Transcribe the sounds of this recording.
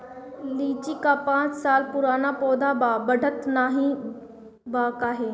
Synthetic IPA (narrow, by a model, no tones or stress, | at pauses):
liːt͡ɕikapãːt͡ssaːlpʊɾaːnapɔːd̪abaːbəɖʱət̪naːɦĩ | baːkaːɦeː